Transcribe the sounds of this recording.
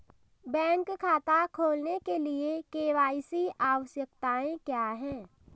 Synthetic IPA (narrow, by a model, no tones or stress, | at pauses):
bɛ̃ːŋkkʰːaːt̪akʰoːlnekeliekeːʋaːisiʔaːʋəʃjəkt̪aːẽkjaːɦɛ̃ː